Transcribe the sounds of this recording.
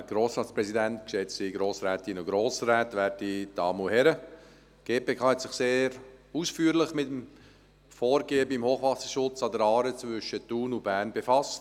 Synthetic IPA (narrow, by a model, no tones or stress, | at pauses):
ɛɡ̥ɾoːsɾɑːtt͡spɾɛsidɛnt̪kʃɛt͡siɡɾoːsɾɛːtɪnʊɡɾoːsɾɛːt̪ʋæɾdid̥ɑːmuhɛɾə | ɡ̥eːpeːkʰɑːhɛt̪sɪχseːɾusfyːɾlɪχmɪtəm | foːɾɡeːəbimhoːχʋɑsəʃʊt͡sɑdəɾɑːɾət͡sʋʏʃət̪uːnʊb̥æːɾnbefɑst